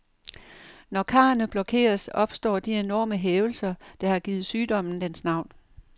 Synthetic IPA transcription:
nɒkʰɑ̈ːɐnəb̥lɒ̽kʰe̝̰ːɐsɒ̽b̥sd̥ɒ̰ːd̥ie̝nɒ̰ːməɦeːʊl̩sɐd̥ɑ̈hɑ̈ɡ̥iːð̩ˠsyːd̥ɒ̽m̰n̩d̥ensnɑ̈ʊ̰n

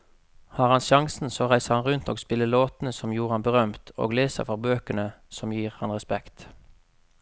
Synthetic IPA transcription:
hɑːʁhɑnʃɑŋsn̩soːʁæɪsəʁhɑnʁʉnt̪oːɡspɪlːəloːt̪n̩əsɔmjuːʁəhɑnbəʁœmt̪ʰo̰ːɡleːsə̰ʁfɔʁbøːkənəsɔmjiːʁhɑnʁɛspɛkt̪

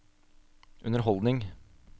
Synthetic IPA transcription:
ʔʉnəɾɦɔld̪nɪŋ

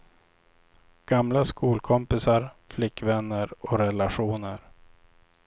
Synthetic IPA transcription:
ɡ̥amlaskuːlkʰɔmpɪsaɾflɪkːvɛnːəɾɔɾɛlaɧuːnəɾ

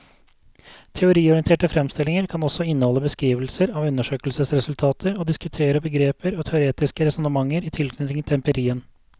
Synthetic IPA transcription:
t̪ʰɛʊɾiːɔɾɪɛnt̪ʰeːʈəfɾɛmst̪ɪlɪŋəɾkʰɑnɔsɔɪnːəhɔlːəbəskɾiːʋəlsəɾɑʋʉnːəʂøːkəlsəsɾɛsʉlt̪ʰɑːt̪ʰəɾoːd̪ɪskʉt̪ʰeːɾəbəɡɾeːpəɾoːt̪ʰɛʊɾeːt̪ɪskəɾɛsɔnəmɑŋːəɾɪːt̪ʰɪlkʰnʏt̪ɪŋt̪ʰɛmpəɾiːən

